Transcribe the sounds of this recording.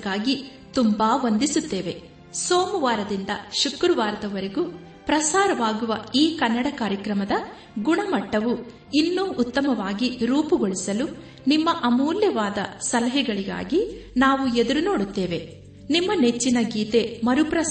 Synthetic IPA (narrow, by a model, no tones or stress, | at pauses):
kːaːɡi | t̪umbaːʋond̪isut̪ːe̞ːʋe | soːmuʋaːɾɐd̪ind̪ɐ̰ʃukɾuʋaːɾɐt̪ɐʋɐɾeɡu | pɾɐsaːɾɐʋaːɡuʋɐiːkɐnːɐɽɐkaːɾjɐkɾɐmɐd̪ɐ | ɡuɳɐmɐʈːɐʋu | inːuːʔːt̪ːɐmɐʋaːɡiɾuːpuɡoɭisɐlu | nimːɐʔɐmuːljɐʋaːd̪ɐ̰sɐlɐɦɛɡɐɭiɡa̰ːɡinaːʋued̪uɾuno̞ːɽut̪ːe̞ːʋe̞ | nimːɐne̞t͡ʃːinɐɡiːt̪e̞mɐɾupɾɐ